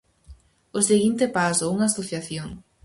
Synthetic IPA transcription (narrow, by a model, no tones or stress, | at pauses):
ʊseɣint̪epasʊuŋaːsoθjaθjoŋ